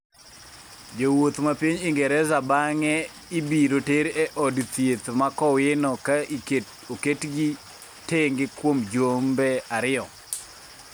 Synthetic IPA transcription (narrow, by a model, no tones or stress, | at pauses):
d͡ʒowot̪mapiɲɪŋɡɛɾɛzabaŋɛ | ɪbiɾoteɾɛʔɔdt̪jet̪makɔwɪnɔkaie | oketɡi | teŋɡɪkwomd͡ʒombɛaɾɪɔ